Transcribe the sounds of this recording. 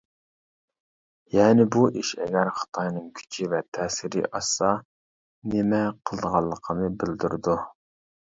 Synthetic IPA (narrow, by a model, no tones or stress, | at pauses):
jɛːnɪbuʔiʃɛ̰ɡʲæɾχɑ̥t̪ʰɑjnɨŋkʲʰy̥t͡ʃʰivɛt̪ʰɛːsɪɾɪ̰ʔɑsɑ | nɪmɛqʰəlˠd̪əʁɑlˠːəqʰənɨbɪld̪yɾɪd̪u